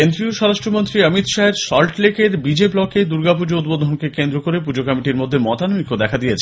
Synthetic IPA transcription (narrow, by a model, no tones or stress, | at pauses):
end̪ɾioʃɔɾaʃʈɾomont̪ɾiəmit̪ʃaeɾʃɔlʈlekeɾbid͡ʑeblɔked̪uɾɡapud͡ʑoud̪̚bod̪ʱonkekend̪ɾokoɾepud͡ʑokɔmiʈiɾmod̪ʱːemɔt̪anomikod̪ɛkʰad̪ijet͡ɕʰe